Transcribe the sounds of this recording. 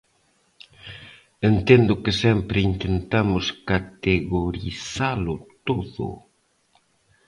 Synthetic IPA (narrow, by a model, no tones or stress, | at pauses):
ent̪end̪ʊkɪsɛmpɾɪint̪ent̪amʊskat̪eɣoɾḭθalʊt̪oðʊ̰